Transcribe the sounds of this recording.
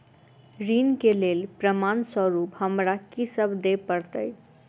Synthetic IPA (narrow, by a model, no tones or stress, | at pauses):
ɾinkelelpɾəmansəɾupɦəmɾakisəbʱd̪epəɾt̪əɪ